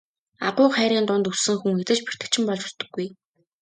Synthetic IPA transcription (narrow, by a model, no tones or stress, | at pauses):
a̰ʁʊːχæːɾʲiːnt̪ʊnt̪usɘ̆ŋxuŋet͡s̪ɘ̆t͡ɕpi̥r̥t̪ɘ̆k̚t͡ɕʰɪ̆mpɔɮt͡ɕʊ̥t̪ɞ̆ɡːuj